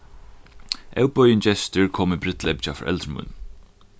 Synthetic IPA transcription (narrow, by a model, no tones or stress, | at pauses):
ɛwpɔjənt͡ʃɛst̪ʏɹkʰɔːmɪbɾɪt̪ʰlɛpt͡ʃafʔɛ̰lt̪ɾmʊ̰n